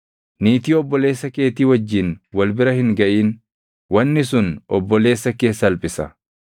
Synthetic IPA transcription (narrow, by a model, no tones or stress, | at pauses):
niːt̪iːɔbːɔle̞ːsːɐke̞ːt̪iːwɐd͡ʒːɪnwɐlbɪɾɐhɪŋɡɐʔiːn | wɐnːɪsʊnɔbːɔle̞ːsːɐke̞ːsːɐɐlpʼɪsɐ̰